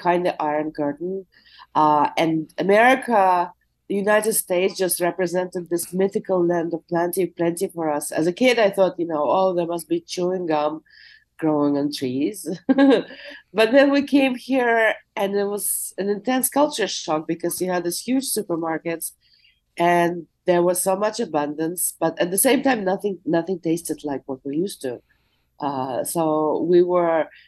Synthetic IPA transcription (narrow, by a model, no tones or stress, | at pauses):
kʰãɪ̃ndʌʔaɪə˞nɡɑɹʔn̩ | ʌɨ̃nɨmɛɹɪkʰə | jʉnaɪɾɨd̥steɪtsd̥d͡ʒ̥ʌst̚ɹɛpɹɨzɛ̃ntɨd̪̚ðɪsmɪθɨkəl̩ˠlæ̃ndʌv̥pʰl̥æ̃ntipʰl̥ɛ̃ntifə˞ʌsɨ̰zɨkʰɪdaɪθɔt̚jɨnoʊɔlðə˞mʌst̚b̥it͡ʃuɪ̃ŋɡʌ̃m | ɡ̥ɹoʊɪ̃ŋɨ̃ntʰɹ̥iz̥ | b̥ʌt̪̚ðɨ̃nwikʰẽɪ̃mhiɹɨ̃nɪt̚wʌzɨ̃nɨ̃ntʰɛ̃nskʰʌlˠt͡ʃə˞ʃɔk̚b̥ɨkʰʌzwiɨd̪̚ðɪshjʉd̥ʒ̥sʉpə˞maɹkɨt | ʔɨ̃nðə˞wʌz̥soʊmʌt͡ʃɨbʌ̃ndə̃nsb̥ʌɾɨt̪̚ðɨsẽɪ̃mtãɪ̃mnʌθɪ̃ŋnʌθɪ̃ŋtʰeɪstɨdˡlaɪkwʌt̚wijʉstu | ʔʌsoʊwiwə˞